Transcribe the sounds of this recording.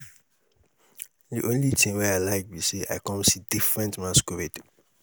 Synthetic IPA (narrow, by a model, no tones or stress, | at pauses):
diʔõnlitʰĩŋwɛaɪlaɪk̚biseʔa̰ɪkɔ̃msidifɹɛ̃ntmaskuɹeti